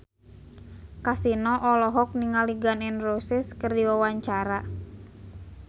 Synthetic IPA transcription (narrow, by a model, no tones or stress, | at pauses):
kasinɔʔɔlɔɦɔk̚niŋaliɡanɛnrosɪskərdiwawaɲt͡ʃaɾa